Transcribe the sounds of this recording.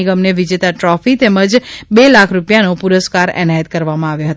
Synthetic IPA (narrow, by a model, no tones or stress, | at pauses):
iɡəmneʋid͡ʒet̪aʈɾɔfit̪ɛməd͡ʒbelakʰɾupjanopuɾəskaɾɛ̰najət̪̚kəɾʋamãaʋjoɦət̪